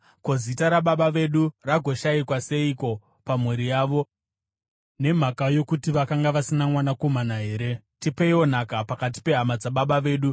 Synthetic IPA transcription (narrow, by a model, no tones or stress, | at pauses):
ko̞zitaɾaɓaɓaʋe̞ɗuraɡʱo̞ʃaikwase̞iko̞ | pamwe̞ɾijaːʋo̞ | ne̞m̤akajo̞kutiʋakaŋɡaʋasinamwanako̞manaɦe̞ːɾe̞tipeio̞n̤akapakat̬i̥pe̞ɦamad͡zaɓaɓaʋe̞ːɗu